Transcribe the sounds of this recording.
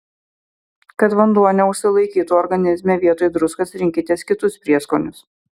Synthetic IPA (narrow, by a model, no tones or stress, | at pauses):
kɐt̪ʋɐnd̪uɔnʲɛʊʃʲsʲɪlˠɐɪkʲiːt̪uːɔɾɡɐnʲɪzʲmʲeːʋʲiɛt̪oːjd̪ɾʊskɐsɾʲɪŋʲkʲɪt̪ʲeːskʲɪt̪ʊspʲɾʲiɛskoːnʲʊs